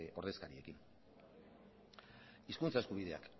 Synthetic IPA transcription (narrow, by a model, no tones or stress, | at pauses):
o̞ɾð̞e̞skaɾie̞kin | iskunt͡saeskuβiðe̞a̰k